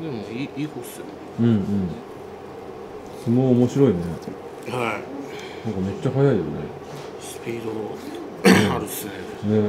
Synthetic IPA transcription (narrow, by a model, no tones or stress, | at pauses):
d̪emoiiːhosɨɾɯɯ̟̃ɴɯ̟̃ɴ | sonoːmo̞ɕiɾo̞ine | hai | nãŋkɑme̞t͡ɕːaɦajaijo̞̰ne̞̰ | sɨ̥pʲiːd̪õ | aɾɯ̟ɨne | ne̞